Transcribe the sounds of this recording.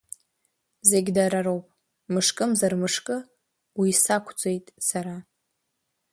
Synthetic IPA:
zeɡʲdaɾaɾowpʼ | mɨʂkʼɨmzarmɨʂkʼɨ | wisakʷʰd͡zʷʼe̞jtʼsaɾa

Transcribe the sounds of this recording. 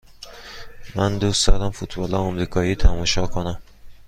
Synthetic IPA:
mænd̪uːst̪ɒd̪æmfut̪bɒːlɒɒmɾiːkʰɒːiːt̪ʰæmɒːʃɒːkʰonæm

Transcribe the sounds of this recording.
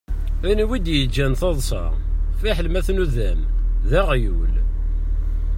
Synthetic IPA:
æniwid̪jəd͡ʒːænθɑðˤsˤɑ̰ | fiħəlmæθnuðæmðæʁjṵl

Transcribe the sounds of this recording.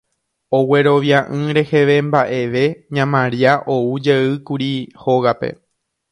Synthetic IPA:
o̞we̞ɾo̞ʋjaʔɨ̃ɾe̞he̞ʋe̞mbaʔe̞ʋe̞ɲãmãɾiaʔo̞ud͡ʒeɨkuɾiho̞ɣape̞̰

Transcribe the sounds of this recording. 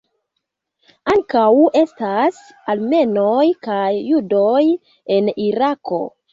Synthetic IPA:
aŋkawe̞stas | alme̞nojkajːudo̞j | e̞niɾako̞̰

